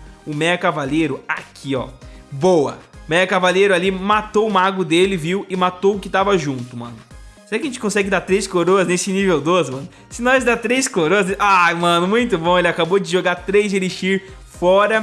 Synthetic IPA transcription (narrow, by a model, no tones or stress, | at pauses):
ʊmɛɐkavalejɾʊakʰiɔ̰bowɐ̰mɛɐkavalejɾʊalimat̪owʊmaɡʊd̪elɪviwɪmat̪owʊkɪt̪avɐʒũt̪ʊmɐ̰̃nʊ | seɾakɐʒẽt͡ʃɪ̥kõsɛɡɪd̪at̪ɾejskoɾoɐznesɪnivewd̪ozmɐ̃nʊ | sɪnɔjzd̪at̪ɾejskoɾoɐzʔajmɐ̃nʊmũj̃t̪ʊbõw̃elɪakabod͡ʒɪʒoɡaɾt̪ɾejzd͡ʒeliʃiɾ | fɔɾɐ